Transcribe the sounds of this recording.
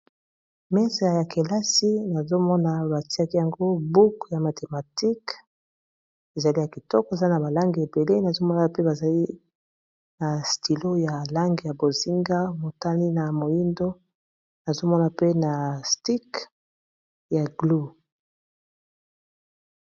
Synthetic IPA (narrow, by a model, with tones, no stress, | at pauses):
mɛ˦sa˨ja˨kʰe˨la˦si˦na˨zo˦mɔ˦na˨ba˨ti˦a˦ki˦ja˨ŋɡo˦bu˦kja˨ma˨tʰe˨ma˨ti˦k | e˨za˨li˦ja˨ki˨tɔ˦kɔ˦˨e˨za˦na˨ba˨la˦ŋɡi˨e˨be˨le˦na˨zo˦mɔ˦na˨pe˦ba˨za˨li˦ | na˨sti˨lo˦ja˨la˦ŋɡi˨ja˨bo˨zi˦ŋɡa˦mo˨ta˦li˦na˨mo˨ji˦ndo˦ | na˨zo˦mɔ˦na˨pe˦na˨sti˦k | ja˨ɡlo˦˨